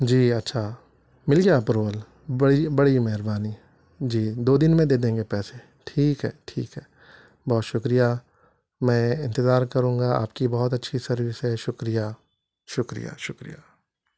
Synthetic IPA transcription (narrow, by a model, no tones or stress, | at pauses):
d͡ʒiːɐtːʃʰa | mɪlɡjaːpɾoːl | bɐɽibɐɽimɛɦɾbaːni | d͡ʒiːd̪oːd̪ɪnmẽd̪eːd̪ẽːŋɡepɛːse | ʈʰiːkɦɛ̰ːʈʰḭːkɦɛː | bɔːt̪ʃʊkɾija | mɛ̃ːɪ̃nt̪ɪzaːɾkɐɾũːŋɡaa̰ːpkibɔːɔt̪̬ɐtːʃʰisɐɾʋɪsɦɛʃʊkɾija | ʃʊkɾḭja̰ːʃʊkɾḭjaː